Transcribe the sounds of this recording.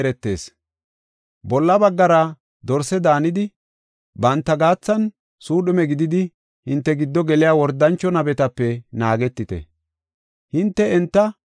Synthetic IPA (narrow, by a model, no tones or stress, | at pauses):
ɾɛt̪ːe̞̰ːs | bɔlːɐbɐɡːɐɾɐ | d̪ɔɾsɛd̪aːnɪd̪ɪ | bɐnt̪ːɐɡaːt͡sːɐn | suːɗʊmɛɡɪd̪ɪd̪ɪ | hɪnt̪ːɛɡɪd̪ːɔɡɛlɪjaːwɔɾd̪ːɐnt͡ʃːɔnɐbɛt̪ɐpːɛnaːɡɛt̪ːɪt̪ɛ̰ | hɪnt̪ːɛɛnt̪ːɐ